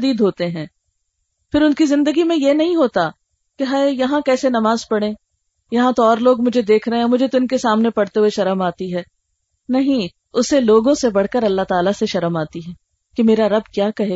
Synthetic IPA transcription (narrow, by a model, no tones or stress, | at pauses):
d̪iːd̪ɦoːt̪eɦɛ̃ː | fɪɾʊnkizɪ̃nd̪əɡimẽjenɐɦĩɦoːt̪a | keɦaːejɐɦãkɛːsenɐmaːzpɐɽẽː | jɐɦãt̪oɔːɾloːɡmʊd͡ʒʱed̪eːkʰɾɐɦẽɛmʊd͡ʒʱet̪oɪnkesaːmnepɐɽ̤t̪eɦueʃɐɾəmaːt̪iɦɛː | nɐɦĩ | ʊseloːɡõsebɐɽ̤kəɾɐlːat̪aːlaseʃɐɾəmaːt̪iɦɛ̃ː | kemeːɾaɾɐb̚kjaːkɐɦeː